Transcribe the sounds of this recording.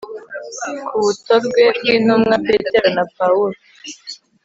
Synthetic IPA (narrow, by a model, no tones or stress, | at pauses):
kʰuβutoɾɡweb̚ɡiːnumŋapeteɾanapauɾo